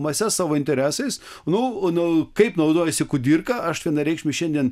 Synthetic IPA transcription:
mɐsʲɛssɑːʋoːɪnʲt̪ʲɛɾʲæːsɐɪsnʊnʊkɐɪpnɐʊd̪oːjɛsʲɪkʊd̪ʲiɾkɐɐʃʋʲiɛnɐɾʲɛɪkʃʲmʲɪʃʲɛnd̪ʲiɛn

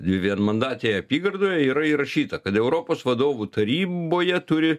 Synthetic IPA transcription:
d̪ʲʋʲɪʋʲiɛnmɐnd̪ɑːt̪ʲeːɐpʲiːɡɐrd̪oːjɛiːɾɐiːɾɐʃʲiːt̪ɐkɐt̪ɛʊɾoːpoːsʋɐd̪oːʋut̪ɐɾʲiːboːjɛt̪ʊɾʲɪ

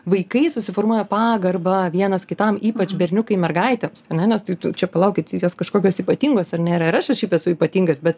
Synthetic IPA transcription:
ʋɐɪkɐɪsʊsʲɪfoːrmuɔjɛpɑːɡɐrbɐʋʲiɛnɐskʲɪt̪ɐmiːpɐt͡ʃʲbʲɛɾʲnʲʊkɐɪmʲɛrɡɐɪt̪ʲemsɐrnʲɛnʲɛst̪ɐɪt̪ʊt͡ʃʲɛpɐlˠɐʊkʲɪt̪joːskɐʃkoːkʲoːsiːpɐt̪ʲiːŋɡoːsɐrnʲeːɾɐɪɾɐʃɛʃʲɛɪpɛsʊiːpɐt̪ʲiŋɡɐsbʲɛt̪

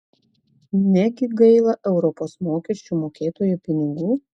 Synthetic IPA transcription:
nʲɛɡʲɪɡɐɪlˠɐʔɛʊɾɔpoːsmoːkʲɛʃʲt͡ʃʲuːmoːkʲeːt̪oːjuːpʲɪnʲɪɡuː

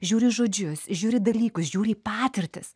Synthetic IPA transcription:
ʒʲuːɾʲɪʒoːd͡ʒʲʊsʒʲuːɾʲɪd̪ɐlʲiːkʊsʒʲuːɾʲɪiːpɑːt̪ʲɪɾʲt̪ʲɪs

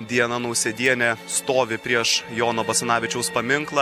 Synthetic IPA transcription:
d̪ʲiɛnɐnɐʊsʲɛd̪ʲiɛnʲɛst̪oːʋʲɪpʲɾʲiɛʃjoːnoːbɐsʲɛnɑːʋʲɪt͡ʃʲɛʊspɐmʲɪŋklˠɐ

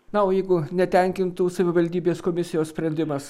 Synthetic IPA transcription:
nɐoːjɛɪɡʊnʲɛt̪ʲɛŋʲkʲɪnt̪uːsɐʋʲɪʋɐlʲd̪ʲiːbʲeːskoːmʲɪsʲɪjoːssʲpʲɾʲɛnʲd̪ʲɪmɐs

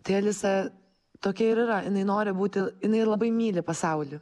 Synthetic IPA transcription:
t̪ɐɪɐlʲɪsɐ | t̪oːkʲɛɪɾɪɾɐjɪnɐɪnoːɾʲɪbuːt̪ʲɪjɪnɐɪlˠɐbɐɪmʲiːlʲɪpɐsɐʊlʲi

